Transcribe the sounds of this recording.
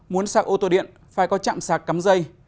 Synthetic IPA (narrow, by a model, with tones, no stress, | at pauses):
mu˨˦ənsaː˧˩k̚ʔo˧t̪o˧˩ɗḭ˧˨ən | faː˧˩jkɔ˨˦t͡ɕa̰ː˧˨msaː˨˩kːa˨˦mzə˧j